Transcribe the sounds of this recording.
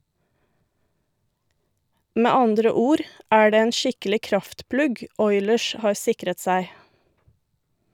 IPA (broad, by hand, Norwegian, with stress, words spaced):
ˈmeː ˈɑndɾə ˈuːɾ ˈæː ˈɖeː ˈeːn ˈʃɪkəlɪ ˈkɾɑftˌplʉɡ ˈɔʏləʃ ˈhɑːɾ ˈsɪkɾət ˈsæɪ